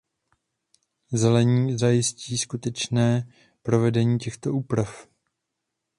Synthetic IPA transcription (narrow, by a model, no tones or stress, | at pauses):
zɛlɛɲiːzajɪsciːskut̪ɛt͡ʃnɛː | pɾo̞vɛdɛɲiːcɛxt̪o̞ʔuːpɾaf